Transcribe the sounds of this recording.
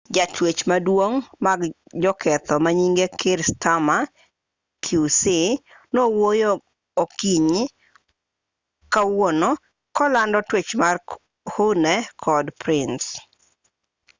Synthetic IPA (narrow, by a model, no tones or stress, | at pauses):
d͡ʒatwet͡ʃmadwoŋmaɡd͡ʒɔkʰɛt̪ɔmaɲiŋɡekɪɾstʰama | kʰjusɪ | nowojo | okiɲ | kawonɔ | kɔlandɔtwet͡ʃmar | hunɛkʰɔdpɾɪns